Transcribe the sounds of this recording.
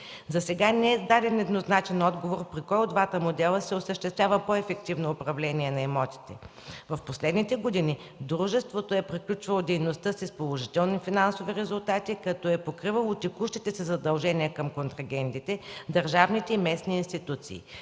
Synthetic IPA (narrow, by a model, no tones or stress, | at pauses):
zɐsɛɡanɛɛd̪ad̪ɛnɛd̪noznat͡ʃɛnɔd̪ɡovoɾpɾikɔjod̪vat̪əmod̪ɛlˠəsɛosəʃt̪ɛst̪vʲjavəpɔɛfɛk̚t̪ivnoːpɾɐvlɛniɛnɐɛmɔt̪i̥t̪ɛ | vɐfposlɛd̪nit̪ɛɡod̪ini | d̪ɾuʒɛst̪vot̪oɛpɾiklʲut͡ʃvɐlˠod̪ɛjnost̪ɤsispolˠoʒit̪ɛlˠnifinansoviɾɛzʊlˠt̪at̪ikɐt̪ɔɛpokɾivɐlˠot̪ɛkuʃt̪it̪ɛsɛzɐd̪ɐlˠʒɛniɛkɐmkont̪ɾɐɡʲɛnt̪it̪ɛd̪ɐɾʒavnit̪ɛimɛsniːnst̪it̪ut̪sḭː